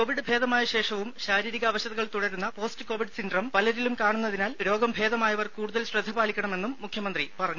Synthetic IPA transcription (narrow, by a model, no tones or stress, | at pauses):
ko̞ːʋiɽɨbʱe̞ːðɐmaːjɐɕe̞ːʂɐʋumɕaːɾiːɾiɣɐːʋɐɕɐðɐɣɐɭt̪uɽɐɾunːɐpo̞ːstɨko̞ːʋiɖɨsindrɐmpɐlɐɾilumkaːɳunːɐðinaːlɾo̞ːɡɐmbʱe̞ːðɐmaːjɐʋɐrkuːɽuðɐlɕrɐd̪ʱːɐbaːlikʲːɐɳɐme̞nːumːukʰjɐmɐnd̪ripɐrɐɲːu